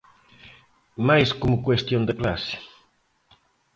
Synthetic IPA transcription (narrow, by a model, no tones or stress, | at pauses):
majskomʊkwest̪jõnd̪ekla̰sɪ̥